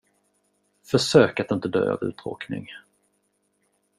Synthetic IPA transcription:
fœʂøːkat̪ɪnt̪əd̪øːa̰vʉ̟ːt̪ɾo̰ːknɪ̰ŋ

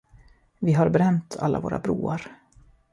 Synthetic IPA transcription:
vɪɦaɾbɛɾɛmt̪ʰa̰lːavoːɾabɾuːaɾ

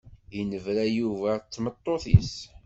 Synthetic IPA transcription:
jnəvɾæjuvæt͡sːmət̪ˤːoθḭs

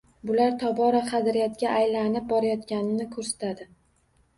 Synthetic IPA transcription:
bʊlaɾt̪ʰɒbɒɾaχɑd̪ɾɪjat̪ɡʲaʔajlanɪp̚bɒɾajɒt̪kʲanɪnɪkʰɵɾsḁt̪ʰad̪ɪ

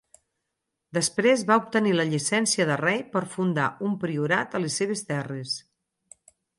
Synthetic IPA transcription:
d̪əspɾezβaup̚t̪əniləʎisɛnsiəðərɛjpəɾfund̪aumpɾiuɾat̪əlesːeβ̞est̪ɛres

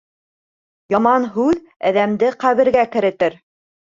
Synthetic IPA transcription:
jɑmɑnɦʉð | æðæmd̪ɘqæβɘ̆ɾɡækɘ̆ɾɘ̆t̪ɘɾ

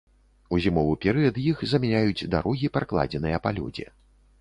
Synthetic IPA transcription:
uzʲimɔvɨpʲɛɾɨjɐt̪jixzɐmʲɛnʲajud͡zʲd̪a̰ɾʔɔɣʲipɾaklˠa̰d͡zʲɛnɨjɐpalʲɔ̰d͡zʲɛ̰

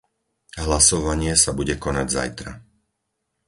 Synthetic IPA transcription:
ɦlasɔʋaɲɪɛsabuɟɛkɔnaɟza̰jt̪ɾa̰

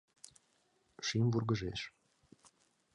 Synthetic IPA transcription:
ʃimvurɡə̆ʒeʃ

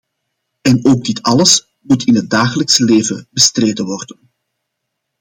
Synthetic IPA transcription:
ɛnoːɡ̚dɪtɑləs | mutʰɪnɦət̚daːxələksəleːvəbəstreːdənʋɔrdən

